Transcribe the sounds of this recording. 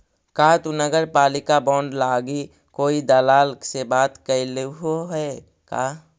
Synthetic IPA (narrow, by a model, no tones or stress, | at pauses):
kaːt̪unəɡəɾpaːlɪkabɔ̃ːɳɖlaːɡi | koːid̪əlaːlksebaːt̪kəileɦoɦɛ | ka̰ː